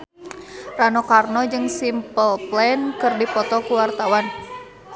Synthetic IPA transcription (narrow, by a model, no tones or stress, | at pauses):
ranɔkarnɔd͡ʒɨŋsimpəlplɛnkɨrdipɔt̪ɔkuwart̪awan